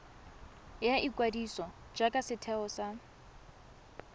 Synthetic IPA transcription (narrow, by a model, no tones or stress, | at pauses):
jaʔikʼwadisɔ | d͡ʒakʼasɪtʰɛɔsa